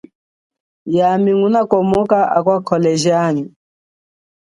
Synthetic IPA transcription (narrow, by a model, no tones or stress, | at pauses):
jamiŋunakɔmɔkaʔakwakʰɔlɛʒiaɲi